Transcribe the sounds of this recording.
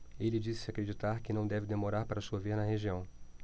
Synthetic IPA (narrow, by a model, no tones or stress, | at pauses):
elɪd͡ʒisɪakɾed͡ʒit̪aɾkɪnɐ̃w̃d̪ɛvɪd̪emoɾaɾpaɾɐsuɐveɾnɐheʒiɐ̃w̃